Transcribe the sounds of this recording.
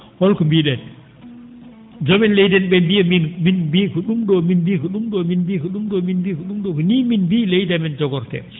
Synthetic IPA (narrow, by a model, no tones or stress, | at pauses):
hɔlkɔmbiɗɛn | d͡ʒɔmɛnlejdɛnbɛbiəminminbikɔɗumɗɔminbikɔɗumɗɔminbikɔɗumɗɔminbiːkuɗumɗɔkuniminbilejdɛmɛnd͡ʒɔɡɔɾtɛ̰